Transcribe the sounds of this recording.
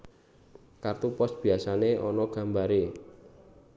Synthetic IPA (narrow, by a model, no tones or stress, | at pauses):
kart̪upɔsb̥i̤asaneʔɔnɔɡ̥a̤mbaɾe